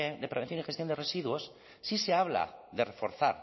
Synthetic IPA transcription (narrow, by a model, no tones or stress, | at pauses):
eðepɾe̞βenθjonixest̪jo̞nd̪e̞re̞siðwo̞sː | ise̞aβla̰ðe̞refo̞̰ɾθaɾ